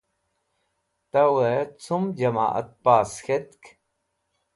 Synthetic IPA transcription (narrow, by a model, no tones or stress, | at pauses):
t̪ɐwet͡sʰumd͡ʒɐma̰ːʔə̰t̪̚paːsxet̪k